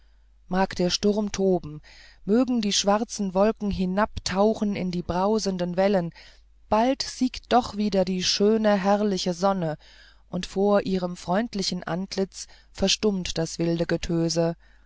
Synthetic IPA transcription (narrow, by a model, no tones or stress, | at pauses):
maːkd̥eːɐʃtʊʁɐmtʰoːbm̩møːɡŋ̩diːʃv̥aʁt͡sn̩vɔlkŋ̩ɦɪnaptʰaʊχn̩ɪ̰ndiːbʁaʊzəndənvɛlən | b̥altz̥iːktd̥ɔχv̥iːdɐdiːʃøːnəɦɛʁɐlɪçəzɔnə | ʔʊntfoːɐʔiːʁ̞əmfʁ̥ɔʏntlɪçn̩ʔa̰ntʰlɪt͡s | fɛɐʃtʊmtd̥asv̥ɪldəɡətʰøːzə